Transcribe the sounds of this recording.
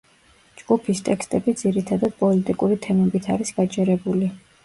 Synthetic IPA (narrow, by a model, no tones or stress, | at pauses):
d͡ʒɡupʰist̪ʼɛkst̪ʼɛbid̪z̥iɾit̪ʰad̪ad̪̥̚pʼɔlit̪ʼikʼuɾit̪ʰɛmɛbit̪ʰaɾisɡ̥ad͡ʒʰʼɛɾɛbuli